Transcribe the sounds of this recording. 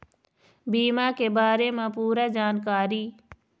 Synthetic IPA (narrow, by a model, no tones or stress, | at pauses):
biːmaːkebaːɾemãpuːɾaːd͡ʒaːnkaːɾiː